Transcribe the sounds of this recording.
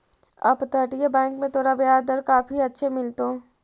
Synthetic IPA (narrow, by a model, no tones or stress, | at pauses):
ɐ̰pt̪əʈjebɛ̃ːŋkmẽt̪ʰoːɽabɪjaːd̪əɾkaːpiɐtːʃʰemɪlt̪oː